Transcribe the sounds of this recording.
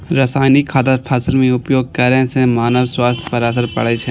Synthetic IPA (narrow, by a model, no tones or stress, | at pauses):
ɾɐsaːnikʰaːd̪əɾpʰɛːsəlmẽʊpjoːɡ̚kɐɾeɦsemaːnəʋswaːst̪ʰpɐɾasəɾpɐ̰ɽet͡ʃʰe